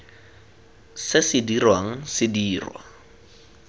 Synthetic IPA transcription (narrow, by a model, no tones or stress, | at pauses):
sɪsɪdirwaŋ̩sɪdiːrwa̰